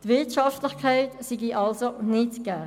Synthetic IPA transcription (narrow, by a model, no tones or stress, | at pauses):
tvɪɐtʃɑftlɪχkʰaɪtsiɡiʔɑlsonɪtɡ̥ɛː